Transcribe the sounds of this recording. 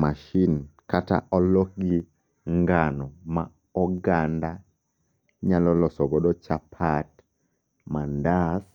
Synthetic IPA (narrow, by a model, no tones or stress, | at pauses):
maʃinkata̰ʔɔlɔk̚ɡi | ŋɡanɔma | ɔɡanda | ɲalɔlɔsɔɡɔdɔt͡ʃapʰat | mandas